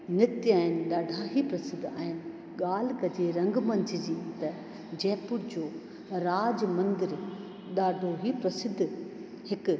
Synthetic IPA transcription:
nɪt̪jaːɪnɪ̆ɗaːɖʱaːɦipɾɐsɪd̪ʱaːɦɪnɪ | ɠaːl̤kɐd͡ʑeɾɐ̃ŋɡmɐ̃nt̪ʰid͡ʑĩt̪ɐ | d͡ʑɛːpʊɾd͡ʑoː | ɾaːd͡ʑmɐ̃nd̪ɪɾ | ɗaːɖʱoɦipɾɐsɪd̪ʱː | hɪk

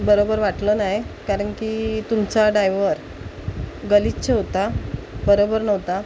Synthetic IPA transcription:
bəɾobəɾʋaʈlənajkaɾəɳkit̪umt͡saɖajʋəɾ | ɡəlitːt͡ɕeɦot̪a | bəɾobəɾnəʋt̪a

